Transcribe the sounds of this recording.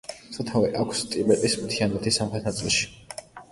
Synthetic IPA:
sʰɔt̪ʰavɛʔakʷʰst̪ʼibɛt̪ʼismt̪ʰianɛt̪ʰisamχɾɛt̪ʰnat̪sʼilˠʃi̥

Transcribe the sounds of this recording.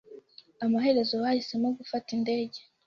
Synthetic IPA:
amaɦe̞ɾe̞zo̞wahise̞moɡufatinde̞ːɟe̞

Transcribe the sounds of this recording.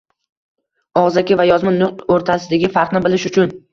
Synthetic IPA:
ɒʁzakʲɪvajɒzmɪnʊqt̪oɾt̪ʰasɪd̪aɡʲɪfaɾqnɪbɪlɪʃʊt͡ʃʰʊn

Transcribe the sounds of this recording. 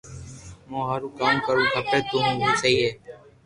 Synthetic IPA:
mõːɦaːɾũːkaːmkəɾũːɦəpeːt̪oːɦũːʋoːsəɦiːɦeː

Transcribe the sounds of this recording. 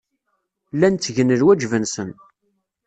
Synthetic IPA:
lːænt͡s̪ːʝənəlwæd͡ʒvənsən

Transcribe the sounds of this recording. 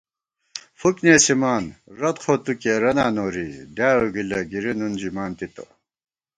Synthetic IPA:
fukneːsimaːnɾɐt̪xʰoːt̪ukeɾɐnaːnoːɾid̪jaːuɡilɐɡiɾinund͡ʑimaːnt̪it̪o̰

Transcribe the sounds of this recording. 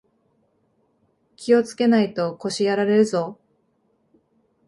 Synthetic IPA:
kʲio̞t͡sɨ̥ke̞nait̪o̞ko̞ɕijaɾaɾe̞ɾɯ̟zo̞

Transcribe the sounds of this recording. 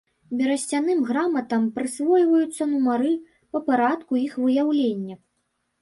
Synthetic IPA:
bʲɛɾɐsʲt͡sʲanɨmɣɾamɐt̪ɐmpɾɨsvɔjvɐjut̪sːɐnumaɾɨ | pɐpaɾat̪kuixvɨjawlʲenʲːɐ

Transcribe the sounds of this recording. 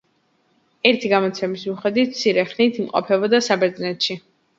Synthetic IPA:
ɛɾt̪ʰiɡamɔt̪sʰɛmismuχɛd̪wit̪̚t̪sʰiɾɛχnit̪ʰimqʼɔ̰pʰɛbɔd̪asabɛɾd̪znɛt̪ʃi

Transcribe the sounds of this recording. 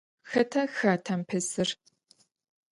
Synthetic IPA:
xɐtʰɐxaːtʰɐmpʰɐsɨr

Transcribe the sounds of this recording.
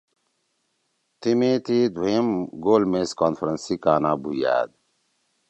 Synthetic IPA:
t̪imeːt̪iːd̪ʱwɐjimɡoːlmeskaːnfɾɐnsikaːnaːbuja̰ːd̪̚

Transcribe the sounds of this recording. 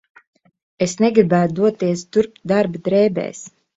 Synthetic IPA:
esnɛɡɾibæːt̪d̪uɔt̪iɛst̪uɾp̪̚d̪aɾbd̪ɾɛːbɛ̰ːs

